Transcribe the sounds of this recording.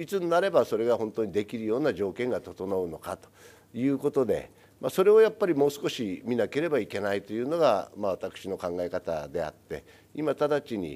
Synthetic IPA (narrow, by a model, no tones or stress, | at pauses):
it͡sɨnnaɾe̞baso̞ɾe̞ɡaɦõ̞nt̪oɲ̟id̪e̞kʲiɾɯ̟jo̞ːnaʑo̞ːkẽŋɡat̪o̞t̪o̞noɯ̟no̞kat̪o̥ | jɯ̟ːko̞t̪o̞d̪e̞̰ | maso̞ɾe̞o̞japːaɾʲimo̞ːsɨ̥ko̞ɕimʲinake̞ɾe̞baike̞nait̪o̞jɯ̟ːno̞ɡa̰maβ̞at̪akɯ̟̥ɕino̞kãŋɡae̞kat̪a̰d̪e̞a̰t̪ːe̞̰ | imat̪ad̪at͡ɕiɲ̟ḭ